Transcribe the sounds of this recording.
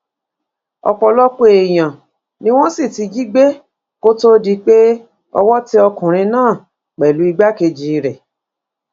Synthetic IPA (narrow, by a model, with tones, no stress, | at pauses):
ɔ̰˧k͡pɔ˧lɔ˦k͡pe˧˨e˨j̃ã˨ | nĩ˦w̃ɔ̃˦si˦˨ti˨˧ɡi˦ɡ͡be˦ | ko˦to˦di˧k͡pe˦ | ɔ̰˧wɔ˦ti˦ɔ˧kũ˨ɾ̃ĩ˧nãː˦˨ | k͡pɛ˨lu˨˦i˧ɡ͡ba˦ke˧d͡ʒi˧ɾɛ˨